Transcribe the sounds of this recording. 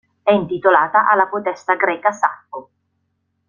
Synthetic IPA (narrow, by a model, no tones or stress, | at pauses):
ɛint̪it̪olaːt̪aʔalːapot̪ɛst̪aɡɾɛːkasapːo